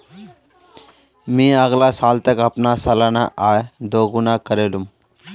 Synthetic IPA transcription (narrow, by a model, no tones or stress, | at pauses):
mĩːəɡlasaːlt̪əkəpnasəlanaʔaːed̪oːɡunakəɾelum